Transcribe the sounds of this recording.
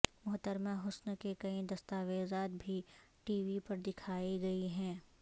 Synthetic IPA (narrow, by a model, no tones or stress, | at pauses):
mʊɦt̪əɾmãɦʊsnkekɐĩd̪ɐst̪aːʋeːzaːt̪̚bʱi | ʈiːʋipɐɾd̪ɪkʰaːiɡɐiɦɛ̃ː